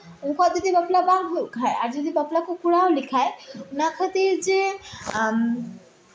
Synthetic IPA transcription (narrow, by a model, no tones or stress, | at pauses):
ũŋkʰɔd͡ʒəd̪ʱibəplabaɡɦokʰajaɾd͡ʒəd̪ʱibəplakokuɽaolikʰajunakʰət̪iɾd͡ʒe